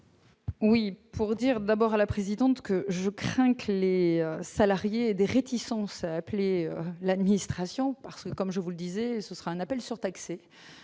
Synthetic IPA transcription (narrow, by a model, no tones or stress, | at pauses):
wipʰuʁd̪iʁd̪abɔʁalapχezid̪ɑ̃t̪kəʒəkχɛ̃kəleøsalaʁjeːd̪eʁet̪ʰisɑ̃saːpleølad̪minist̪χasjɔ̃paʁsə̥kəkɔmʒəvuləd̪izɛsəsə̥ʁaɛ̃napɛlsyʁt̪akse